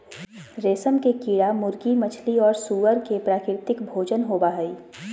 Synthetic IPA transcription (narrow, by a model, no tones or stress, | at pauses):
ɾeːsəmkekiːɽamʊɾɡimət͡ʃʰliɔːɾsuːʋəɾkepɾaːkɪɾt̪ɪkbʱoːd͡ʒənɦoːbaɦəiː